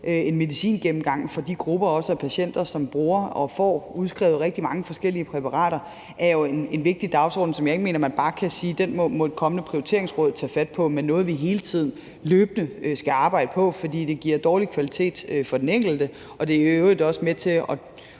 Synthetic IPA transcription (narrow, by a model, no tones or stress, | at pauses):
ʔøe̝nme̝ðisḭːnɡ̥emm̩ɡ̥ɑ̈ŋ̰fɒ̽d̥iɡ̥ʁub̥ɐɒ̽səɒpʰæɕen̰d̥ɐsɒ̽mb̥ʁuːɐɒ̽fɒ̰ːuð̞ˠsɡ̥ʁɛ̰ʊʁɛɡ̥̚d̥imɑ̈ŋəfɒ̽sɡ̥el̰iəpʰʁɛpʰɑ̈ʁɑ̰̈ːɾ̥ɐ | ʔæɐjo̝e̝ne̝nʋe̝ɡ̥̚d̥id̥ɑ̈ʊsɒ̰ːd̥n̩sɒ̽mjɑ̈e̝ɡ̥me̝ːnɐmænb̥ɑ̈ːkʰæsiːd̥enmɔ̽mɔ̽dekʰɒ̽mənəpʰʁ̥ioit͡sʰe̝ɐ̰eŋsʁɔ̽ːð̞̰ˠt͡sʰɛ̰ːfæd̥̚pʰɒ̽menːɔ̽ːð̞̩ˠʋiɦe̝ːlət͡sʰið̞̰ˠn̩ | løːb̥ənəsɡ̥æɑ̈ːb̥ɑ̈ɪ̰d̥əpʰɒ̽fɒ̽d̥ḭːd̥e̝ɡ̥iɐ̰d̥ɒːlikʰʋælit͡sʰe̝̰ːd̥fɒ̽d̥eneŋ̰ɡ̥l̩d̥ə | ɒ̽d̥e̝æɐøøʊʁid̥ɒ̽səmet͡sʰe̝ɒ̽